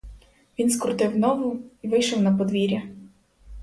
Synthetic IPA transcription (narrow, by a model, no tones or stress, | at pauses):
ʋʲinskɾʊt̪ɪwnɔʋʊiʋɪjʃɔwnɐpɔd̪ʋʲiɾʲɐ